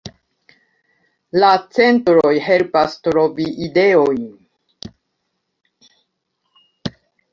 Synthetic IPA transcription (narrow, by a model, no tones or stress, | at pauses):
lat͡se̞ntɾo̞jɦe̞lpastɾo̞viʔide̞o̞jn